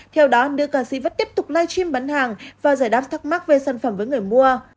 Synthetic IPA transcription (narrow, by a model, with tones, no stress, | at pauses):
t̪ʰɛ˧wɗɔ˨˦nɨ̰˧˨kaː˧˩sḭ˧˥və˦˥t̚t̪i˦˥əp̚t̪ʊ˨˩k͡p̚laː˧jt͡ɕi˧mɓa˨˦nhaː˨˩ŋvaː˨˩zaː˧˩jɗaː˦˥p̚t̪ʰa˦˥k̚ma˦˥k̚ve˨˩saː˧˩nfə˧˩mvəː˨˦jŋɨ˨˩əjmu˧ə